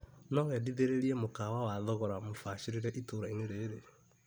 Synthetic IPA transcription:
nɔɣɛdiðeɾeɾiɛmokawawaðɔɣɔɾamofaʃiɾiɾɛʔitoːɾaineɾeːɾe

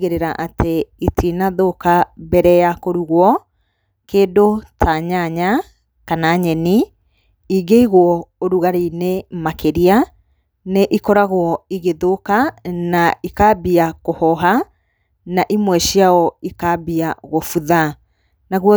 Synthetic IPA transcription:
ɣeɾeɾaʔatʰeitʰinaðokabɛɾɛjakoɾuɣwɔ | keːdotʰaɲaɲa | kanaɲɛni | iɡeiɣwɔoɾuɣaɾinemakeɾia | neʔikɔɾaɣwɔiɣeðokanaikabiakohɔɦa | naʔimwɛʃjaɔikabiaɣofuða | naɣwɔ

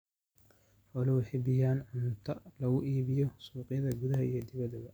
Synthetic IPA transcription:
ħɔlɛwɪħɪbɪjaːnʕʊnt̪ʰɐlɐɣʊʔiːβɪjɔsuːqɪjɐðɐɡʊðɐɦɐijɞd̪ɪβɐðɐbɐ

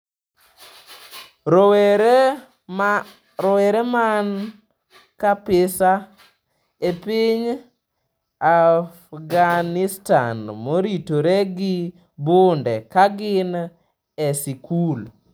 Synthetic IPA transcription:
ɔwɛɾɛman | kapɪsa | epiɲ | afɡanɪsta̰nmoɾitoɾɛɡɪ | bondɛkaɡɪn | ɛsikul

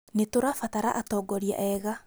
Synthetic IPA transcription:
netoɾafataɾa̰ʔatɔːɡɔɾia̰ʔɛɣa

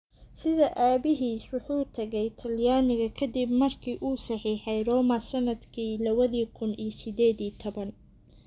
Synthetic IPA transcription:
sɪðɐʔaːbɪɦiːswʊħuːt̪ʰɐɣɛjt̪ʰɐljaːnɪɣɐkʰɐd̪ibmɐrkʰiːʔuːsɑħiːħɛjrɔːmɐsɐnɐd̪kʰiːlɐβɐðiːkʰʊnijsɪd̪ɛːðiːt̪ʰɔβɐn

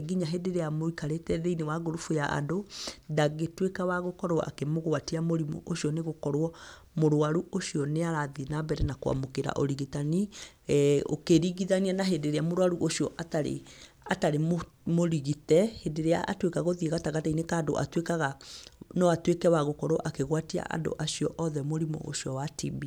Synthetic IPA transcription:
ɡiɲaɦedeɾeamoikaɾetɛðeinewaɡoɾofujaʔa̰dodaɣetwekawaɣokɔɾwɔ̰ʔa̰kemoɣoatiamoɾimṵʔoʃiɔneɣokɔɾwɔ | moɾoaɾuoʃiɔneaɾaðinabɛɾɛnakoa̰mokeɾa̰ʔɔɾiɣitani | o̰keɾiɣiðanianaɦendeɾeamoɾwaɾuʔoʃijɔʔataɾḛ | ataɾem | moɾiɣitɛhedeɾea̰ʔatwekaɣoðieɣataɣatainekaːdo̰ʔa̰twekaɣanɔatwekɛwaɣokɔɾwɔʔakeɣwatia̰ʔa̰do̰ʔaʃiɔʔɔðɛmoɾimɔ̰ʔo̰ʃijɔwatḭbi

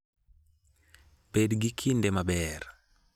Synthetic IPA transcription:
bedɡikʰindɛmabɛɾ

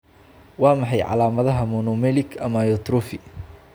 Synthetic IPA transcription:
wɑːmɑħɑjʕɑ̰laːmɐðɐɦɐmɔnɔmɛlɪkʰɐmajɔt̪ɾɔfɪ

